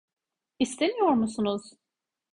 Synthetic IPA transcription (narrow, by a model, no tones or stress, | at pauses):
ist̪ʰemijoɾmusunuz̥